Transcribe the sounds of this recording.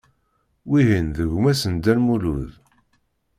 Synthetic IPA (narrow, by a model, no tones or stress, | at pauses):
wiɦinðəʝmæsənd̪ænmuluð